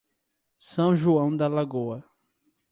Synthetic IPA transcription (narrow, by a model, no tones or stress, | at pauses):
sɐ̃w̃ʒuɐ̃w̃d̪ɐlaɡoɐ